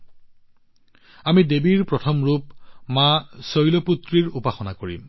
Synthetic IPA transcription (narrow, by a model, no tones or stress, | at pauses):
amidebiɹpɹɔtʰɔmɹupmasojlɔput̪ɹiɹupaxɔnakoɹḭm